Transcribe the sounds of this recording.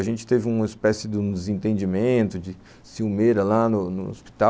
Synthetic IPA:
ɐʒẽnt͡ʃɪ̥t̪evɪũmɐispɛsɪd̪ʊũd̪ɪzẽnt̪ẽnd͡ʒimẽt̪ʊd͡ʒɪ | siwmeɾɐlanʊnʊ̰o̰spi̥t̪a

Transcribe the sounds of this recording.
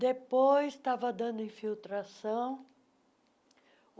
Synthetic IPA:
d̪epojst̪avɐd̪ɐ̃nd̪ʊĩfiwt̪ɾasɐ̃w̃

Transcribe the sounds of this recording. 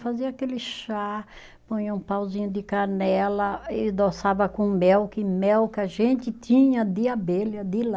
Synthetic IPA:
faziɐakelɪʃa | põɲũpawzĩɲʊd̪ɪkanɛlɐɪd̪osavɐkõmɛwkɪmɛwkɪaʒẽnt̪ɪt̪ĩɲɐd̪ɪabelɐd̪ɪl

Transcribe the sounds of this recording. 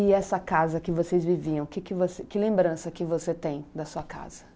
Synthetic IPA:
ɪɛsɐkazɐkɪvosejzviviɐ̃w̃kɪkɪvosekɪlẽmbɾɐ̃sɐkɪvoset̪ẽj̃d̪ɐsuɐka̰z̥ɐ

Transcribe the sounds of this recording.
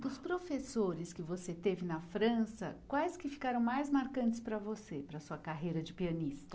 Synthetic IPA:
d̪ʊspɾofesoɾɪskɪvoset̪evɪnɐfɾɐ̃sɐ̰kwajskɪfi̥kaɾɐ̃w̃majzmaɾkɐ̃nt͡ʃɪspɾɐvosepɾɐsuɐkaɦejɾɐd͡ʒɪpiɐnist̪ɐ̥

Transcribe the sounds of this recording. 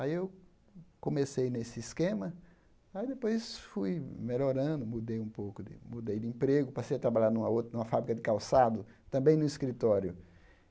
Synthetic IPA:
aiew | kõmesejnesɪiskẽmɐ | aid̪epojsfujmeʎoɾɐ̃nd̪ʊmud̪ejũpowkʊd̪ɪ̰mud̪ejd̪ɪĩpɾeɡʊpasejɐt̪ɾabaʎaɾnũmɐowt̪nũmɐfabɾikɐd̪ɪkawsad̪ʊ | t̪ɐ̃mbẽj̃nʊiskɾit̪ɔɾjʊ

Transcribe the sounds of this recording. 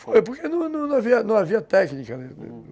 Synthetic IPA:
fojpoɾkenɐ̃w̃nɐ̃w̃nɐ̃w̃aviɐnɐ̃w̃aviɐt̪ɛknikɐd̪ed̪̰

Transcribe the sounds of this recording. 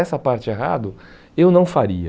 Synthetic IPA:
ɛsɐpaɾt͡ʃɪeɦa̰d̪ʊ | ewnɐ̃w̃faɾiɐ

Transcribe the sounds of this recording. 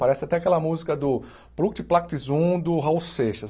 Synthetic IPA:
paɾɛsɪat̪ɛakɛlɐmuzikɐd̪ʊ | pɾuk̚t͡ʃ̪ɪplak̚t̪izũd̪ʊɦawseʃɐs

